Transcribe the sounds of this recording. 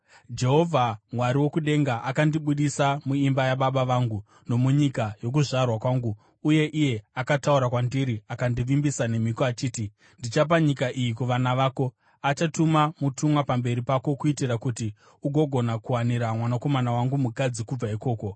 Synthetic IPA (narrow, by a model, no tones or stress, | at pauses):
d͡ʒe̞ɦo̞vʱamwaɾiwo̞kuɗe̞ŋɡaʔakandiɓuɗisamuimbajaɓaɓaʋaːŋɡu | no̞muɲikajo̞k̬uʐarwakwaːŋɡuː | je̞ʔije̞akatauɾakwandiɾiakandiʋimbisane̞mikoat͡ʃiːti | ndit͡ʃap̬aɲikaʔijikuʋanaʋaːko̞ | at͡ʃatumamutʰumwapambe̞ɾipako̞kuitirakuti | uɡʱo̞ɡʱo̞nakuwaniɾamwanako̞manawaŋɡumukad͡zikub͡vaiko̞ːko̞